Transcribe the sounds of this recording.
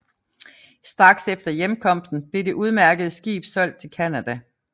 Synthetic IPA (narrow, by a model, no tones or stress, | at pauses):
sd̥ʁɑ̈ɡ̥sefd̥ɐjemkʰɒ̽m̰sd̥n̩b̥le̝d̥e̝ʔuð̞ˠmæɐɡ̥əð̞̩ˠsɡ̥ḭːb̥sɒ̽l̰d̥̚t͡sʰe̝lkʰænæd̥æ